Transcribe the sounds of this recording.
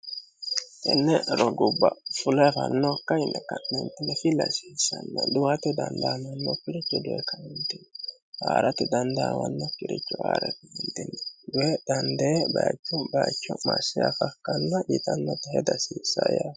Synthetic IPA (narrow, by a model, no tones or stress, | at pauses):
t̪ɛnːɛɾɔɡʊbːɐfʊlɐjfɐnːɔkːɐjnːɛkɐnnɛnt̪ɪnɛfɪlːɐsiːsːɐnːɐd̪ʊwɐt̪ɛd̪ɐnd̪aːmɐnːɔkːɪɾɪt͡ʃːɔd̪ʊɛkɐnɛnt̪ɪnːɛ | waːɾɐt̪ɛd̪ɐnd̪awɐnːɔkːɪɾɪt͡ʃːɔwaːɾɛk̪ɪɛnt̪ɪnːɛd̪ʊɛd̪̥ɐnd̪ebɐat͡ʃːɔbɐjat͡ʃːɔmɐsːɪjafɐkːɐnːɐbit̪ɐnːɔt̪ɛhɛd̪ɐsiːsːɐja